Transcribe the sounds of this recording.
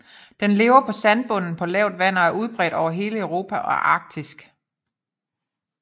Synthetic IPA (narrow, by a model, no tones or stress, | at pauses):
d̥enle̝ːʊɐpʰɒ̽sænb̥ɔ̽nn̩pʰɒ̽lɛʊd̥ʋæn̰ɐæɐʔuð̞ˠb̥ʁɛ̰ːd̥ɒʊɐɦe̝ːləøʊʁo̝ːpʰæʔɒɐʔɑ̈ːɡ̥̚d̥isɡ̥